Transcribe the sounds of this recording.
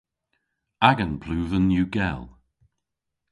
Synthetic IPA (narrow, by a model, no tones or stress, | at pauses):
aɡənpʰluːvənjuːɡɛlˠ